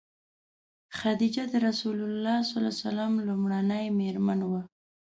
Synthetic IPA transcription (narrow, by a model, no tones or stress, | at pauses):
xad̪id͡ʒad̪əɾasulʊlːɑsɑlɑ̰salamlumɽanəjmeɾmanwa